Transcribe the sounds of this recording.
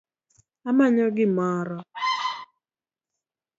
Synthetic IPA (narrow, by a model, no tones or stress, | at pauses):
amaɲɔɡɪmaɾɔ